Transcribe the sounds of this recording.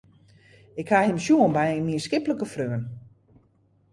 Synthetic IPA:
ɪkhahɪmsjuənbɛjnmiəskɪpləkəfrøːən

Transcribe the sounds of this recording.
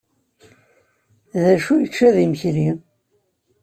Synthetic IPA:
ðæʃujət͡ʃːæðimçɾi

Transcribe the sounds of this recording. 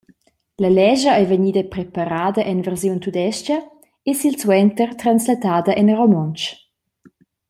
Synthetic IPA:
lɐlɛʒəɛjveɲiːd̪əpɾepaɾaːd̪əʔɛnvɛrzjunt̪ud̪ɛʃt͡ʃɐ | esilswɛnt̪ərt̪ɾanslat̪aːd̪ɐʔɛnromɔnt͡ʃ

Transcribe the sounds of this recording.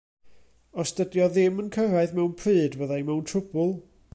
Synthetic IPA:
ɔstədjɔðɪmənkʰəɾaɨðmɛwnpʰrɨːdvəðajmɛwntʰrʊbʊlˠ

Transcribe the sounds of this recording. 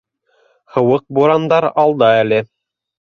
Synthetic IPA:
hɤ̆wɤq̚buɾɑnd̪ɑɾɑlˠd̪ɑælɘ

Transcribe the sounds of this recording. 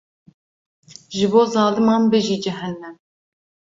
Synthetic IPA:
ʒɨboːzɑːlɨmɑːnbɨʒiːd͡ʒɪɦɛnːɛm

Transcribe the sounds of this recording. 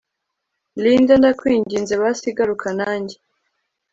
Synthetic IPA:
liːndandakwiːɲɟiːnzeβasiɡaɾukʰanaːɲɟe

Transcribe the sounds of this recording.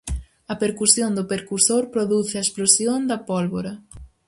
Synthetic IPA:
ɐpeɾkusjõnd̪ʊpeɾkusoɾpɾoðuθɪɐesplosjond̪ɐpolβoɾɐ

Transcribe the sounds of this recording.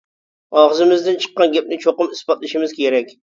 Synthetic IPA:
ɑʁɨzɪmɪzd̪ɪnt͡ʃʰɨ̥qːɑnɡʲæp̚nɪt͡ʃʰoqɨmɨsbɑt̪lˠɪʃɪmɪzkʲʰeɾɛkʲ

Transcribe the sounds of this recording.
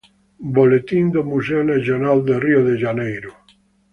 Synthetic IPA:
bolet̪ind̪omuseonaθjonald̪erioðeʒanejɾo

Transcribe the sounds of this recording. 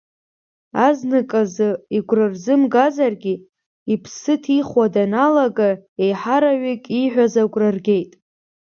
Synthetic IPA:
aznɨkʼazɨiɡʷrɨrzɨmɡazarɡʲi | ipʰsɨtʰiχwadanalaɡaejħaɾaɥikʲʼiħʷᶣazaɡʷʼrɨrɡʲe̞jtʼ

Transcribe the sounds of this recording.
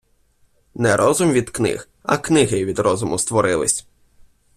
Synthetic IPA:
nɛɾʔɔzʊmʋʲid̪knɪ̰x | ɐ̰knɪɦɪʋʲid̪ɾɔzʊmʊst̪ʋɔɾɪlˠɪ̰sʲ

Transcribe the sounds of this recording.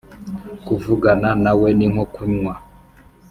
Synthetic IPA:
kuvuɡananawɛniŋwɔkuɲŋwa

